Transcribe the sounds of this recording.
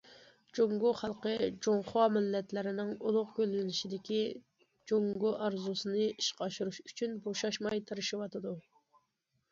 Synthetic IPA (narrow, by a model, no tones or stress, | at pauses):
d͡ʒoŋɡoχælˠqəd͡ʒoŋχɑmɪlːɛt̪lɪɾɪnɪŋulˠʊqkʲølːɪnɪʃid̪ɪkʲi | d͡ʒoŋɡoʔɑɾzusɨnɨiʃqɑʃuɾuʃy̥t͡ʃʰynboʃɑʃmɑjt̪ʰɨɾɨʃiwɑt̪ʰɨd̪u